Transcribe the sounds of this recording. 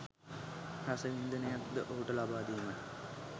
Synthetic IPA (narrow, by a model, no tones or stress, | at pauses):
hasəʋind̪ənəjat̪d̪əʔoɦuʈəlabaːd̪ijmə